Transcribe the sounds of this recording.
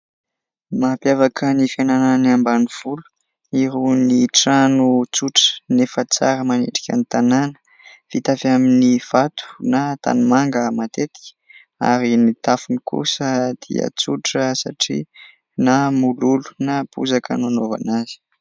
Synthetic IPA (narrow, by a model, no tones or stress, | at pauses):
mapjavakʰənifanananiambaniv̥ulu̥ | iɾuniʈ͡ʂanut͡suʈ͡ʂə̥nefət͡sa̰ɾəmanḛʈ͡ʂi̥kʲa̰nit̪ananə̥ | v̥it̪afaminiv̥at̪ʰu̥nat̪a̰nimaŋɡəmat̪et̪i̥kʲ | a̰ɾinit̪afunikṵsəd̪̥ḭə̰t͡suʈ͡ʂəsa̰ʈ͡ʂḭ | namululu̥napṵzakə̰nanova̰naz̥i̥